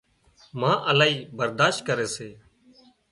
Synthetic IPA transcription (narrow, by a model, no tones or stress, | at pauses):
mãːʔəlaːiːbəɾd̪aːʃt̪̚kəɾeːseː